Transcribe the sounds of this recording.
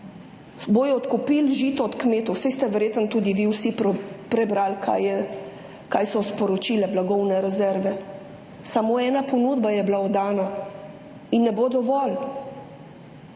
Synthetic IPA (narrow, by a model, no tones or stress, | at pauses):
boːjɔɔt̪kupilʒiːt̪ɔɔt̪kmeːt̪ɔwsɛjst̪ɛʋɛɾjeːt̪ənt̪uːd̪iʋiwsipɾɛbɾalkʰajɛ | kajsɔspɔɾɔt͡ʃiːlɛblaɡɔwnɛɾɛzɛɾʋɛ | samoːɛːnapɔnud̪bajɛblaɔd̪aːna | inːɛbod̪ɔʋɔl